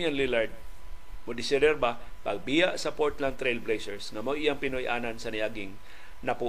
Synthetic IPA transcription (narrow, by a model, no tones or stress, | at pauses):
janlilaɹd̪̚ | mʊd̪ɪsɛdɛɾbapɐɡ̚bijaʔsɐpoɹt̪land̪ɾejlblejsɛɹsŋɐmoʔɪjaŋpɪnojʔaːnansɐnɪjaɡɪŋ | nɐpu